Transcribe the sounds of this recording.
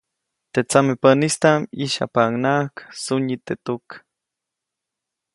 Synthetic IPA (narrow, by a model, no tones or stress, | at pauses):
t̪et͡samepənist̪amiʃa̰paŋnaksuɲit̪et̪uk